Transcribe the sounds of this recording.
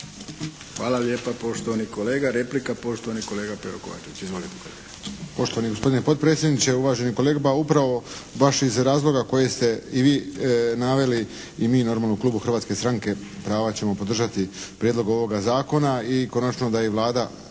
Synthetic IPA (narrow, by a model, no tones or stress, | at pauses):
xʋa̰ːlaljeːpapoʃt̪oʋanikoleːɡaɾeplikapo̞ʃt̪oʋaniko̞leːɡapeɾokoʋa̰t͡ʃeʋit͡ɕizolikoeɡ | po̞ʃt̪oaniɡospo̞d̪inepo̞t̪̚pɾeːt̪sjed̪nit͡ɕe̞uʋaːʒe̞niko̞leːɡapaupɾaʋo̞baʃizɾaːzlˠo̞ɡako̞je̞st̪e̞iʋiːnaʋe̞li | imiːno̞ɾmaːlnoklˠuːbuxr̩ʋaːt̪ske̞st̪ɾaŋke̞pɾaːʋat͡ɕemo̞po̞d̪r̩ʒat̪ipɾjed̪lo̞ɡo̞ʋo̞ɡazaːko̞naiko̞nat͡ʃno̞d̪ajeʋlˠaːd̪a